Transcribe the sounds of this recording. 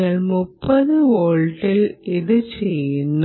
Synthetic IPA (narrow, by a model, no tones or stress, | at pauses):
ɐɭmupːɐðɨʋoːɭʈːiliðɨt͡ɕejunː